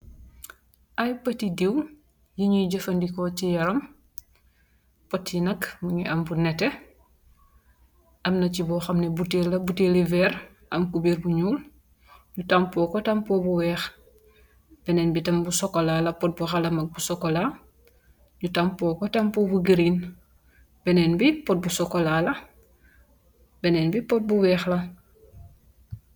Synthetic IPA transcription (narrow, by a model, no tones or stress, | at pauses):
ʔɐjpɐtidiw | jiɲuɟɐfɐndikɔcijɐɾɐm | pɔtjinɐkmuɲɛʔɐmbunɛtɛ | ʔɐmnɐcibɔːxɐmnɛbutelɐbutelivɛːɾ | ʔɐmkubiɾbuɲuːl | ɲutampɔːkɔtampɔbuwɛːx | b̥ɛnɛːnbitɐmbusɔkɔlaːlɐpɔt̚buxalɐmɐk̚busɔkːɔla | ɲutampɔːkɔtampɔːbuɡiɾin | b̥ɛnɛnbipɔt̚busɔkɔlaːlɐ | bɛnɛːnbipɔt̚buwɛːxlɐ